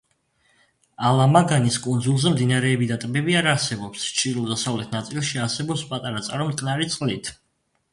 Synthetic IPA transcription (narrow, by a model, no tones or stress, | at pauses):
alˠamaɡaniskʼund̪zulˠzɛmd̪inaɾɛːbid̪at̪ʼbɛbiaɾaɾsɛbɔpst͡ʃʰʼiɾlɔd̪asavlɛt̪ʰnat̪sʼilˠʃiaɾsɛbɔpspʼat̪ʼaɾat̪sʼaɾɔmtk̪ʼnaɾit̪sʼqʼlit̪ʰ